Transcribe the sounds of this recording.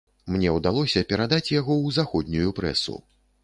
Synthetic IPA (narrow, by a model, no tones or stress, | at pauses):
mnʲɛwd̪alˠɔsʲɐpʲɛɾad̪at͡sʲjaɣɔwzaxɔd̪ʲnʲujupɾɛ̰sṵ